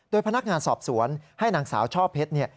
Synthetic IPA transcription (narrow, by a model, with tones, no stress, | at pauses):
doː˧jpʰa˧na˦˥k̚ŋaː˧nsɔː˨˩p̚su˩˦ənha˥˩jnaː˨˦ŋsa̰ː˩˦wt͡ɕʰɔː˥˩pʰːe˦˥t̪̚ni˥˩ɐ